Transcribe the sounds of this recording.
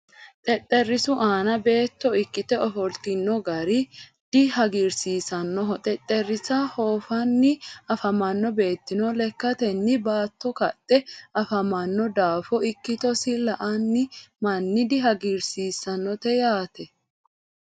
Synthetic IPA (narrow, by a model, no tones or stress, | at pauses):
t̪ʼɛt̪ʼːɛrːɪsʊʔaːnɐbe̞ːt̪ːɔɪkːɪt̪ɛɔfɔlt̪ɪnːɔɡɐɾɪ | d̪̥ɪɦɐɡiɾsiːsɐnːɔɦɔt̪ʼɛt̪ʼːɛrːɪsɐhoːfɐnːɪɐfɐmɐnːɔbe̞ːt̪ːɪnɔlɛkːɐt̪ɛnːɪbaːt̪ːɔkɐt̪ʼːɛʔɐfɐmɐnːɔd̪aːfɔɪkːɪt̪ɔsɪlɐʔɐnːɪmɐnːɪd̪ɪɦɐɡiɾsiːsɐnːɔt̪ɛjaːt̪ɛ